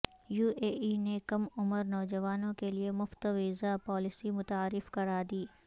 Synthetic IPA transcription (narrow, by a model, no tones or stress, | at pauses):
juːʔeːinekɐmʊməɾnɔːd͡ʒɐʋaːnõkeliemʊft̪əʋɪzapɔːlɪsimʊt̪aːɾɪfkɐɾaːd̪iː